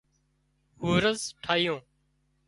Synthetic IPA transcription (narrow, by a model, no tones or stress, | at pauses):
huːɾəzʈʰaːijõː